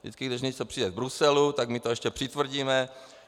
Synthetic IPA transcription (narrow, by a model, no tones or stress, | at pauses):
dɪ̰t͡skɪɡdɪʃɲɛt͡sopr̥iːdɛvbɾusɛlut̪aɡmɪt̪oɛʃcɛpr̥ɪt̪vr̩ɟiːmɛ